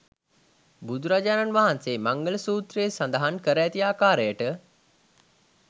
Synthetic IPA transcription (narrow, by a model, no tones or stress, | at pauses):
bud̪uɾad͡ʒaːnanʋaɦanseːmaŋɡələsuːt̪ɾeːsand̪əɦankəɾəæt̪iaːkaːɾəjəʈə